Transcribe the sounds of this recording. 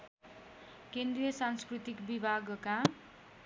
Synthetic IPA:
kend̪ɾijʌsanskrut̪ikbibʱaɡka

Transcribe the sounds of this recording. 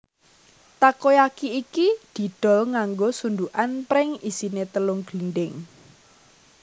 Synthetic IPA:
t̪akojakiːkid̪̥i̤ɖ̪̥ɔ̤lŋaŋɡosund̪uʔanpɾɪŋisinet̪əlʊŋɡ̥linɖɪŋ

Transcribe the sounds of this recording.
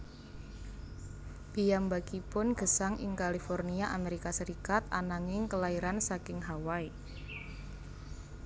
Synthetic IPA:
pijambaɡ̥ipʊnɡ̥ə̤saŋʔɪ̰ŋkalifɔrniaʔameɾikasəɾikat̪̚a̰naŋɪŋkəlaiɾansakɪŋɦawai

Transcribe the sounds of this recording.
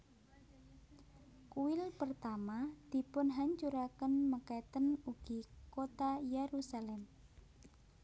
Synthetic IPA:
kuɪlpərt̪amad̪̥i̤pʊnɦaɲt͡ʃuɾakənməkajt̪ənuɡ̥ikot̪ajeɾusalɛm

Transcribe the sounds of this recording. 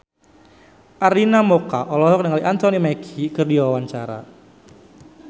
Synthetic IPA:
ʔaɾinamɔkaʔɔlɔɦɔk̚dəŋaliʔant̪ɔnimakʰikɨrdiwawaɲt͡ʃaɾa̰

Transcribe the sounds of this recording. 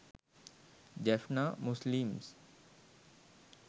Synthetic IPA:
d͡ʒɛfnamʊslimz

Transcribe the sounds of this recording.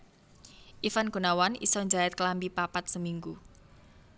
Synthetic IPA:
ʔifanko̤nawanḭsɔɲd͡ʒaɛt̪̚klambipapat̪̚səmiŋɡu

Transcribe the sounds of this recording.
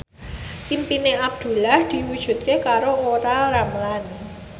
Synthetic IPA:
pimpineab̚d̪̥ṳlahd̪̥i̤wud̥ʒ̥ṳt̪̚kekaɾooɾaɾamlan

